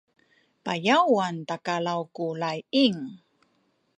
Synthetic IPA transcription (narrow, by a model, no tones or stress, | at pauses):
pajawantakalawkulajiŋ